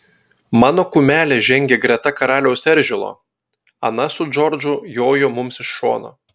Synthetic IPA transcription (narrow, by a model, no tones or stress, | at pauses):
mɑːnoːkʊmʲæːlʲeːʒʲɛŋʲɡʲeɡɾʲɛt̪ɐkɐɾɑːlʲɛʊsɛɾʲˑʒʲɪlˠo̰ː | ɐ̰nɐsʊd͡ʒɔɾʲd͡ʒʊjoːjʊmʊmsɪʃʃo̰ːno̰